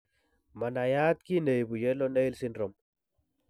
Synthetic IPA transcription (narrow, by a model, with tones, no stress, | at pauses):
ma˨na˨ja˦t̪̚ki˦ne˨jbu˨jɛ˦lɔ˦ne˦i˦lsi˦ndɾɔ˨m